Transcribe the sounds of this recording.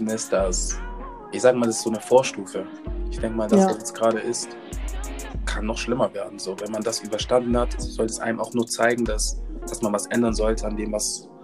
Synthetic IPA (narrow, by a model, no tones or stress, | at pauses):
nɪsd̥as | ʔɪçz̥aːɡəmaːldasɪ̥sz̥oːnəfoːɐʃtuːfə | ʔɪçd̥ɛŋkəmaːldasd̥asjɛt͡sɡ̥ʁaːɾəʔɪst | kʰanːɔχʃlɪmɐveːɐdn̩zoːvɛnmandasʔyːbɐʃtandn̩hatz̥ɔltɛsʔa̰ɪnəmaʊxnuːɐt͡saɪɡŋ̩dasd̥asmanvasʔɛndɐnzɔltʰəandeːmvas